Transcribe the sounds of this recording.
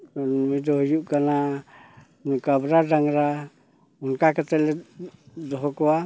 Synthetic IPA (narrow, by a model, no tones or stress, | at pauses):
nmidoɦjuʔkana | nukabɾadaŋɾa | unkakat̪ɛlɛ | dɔɦɔkoa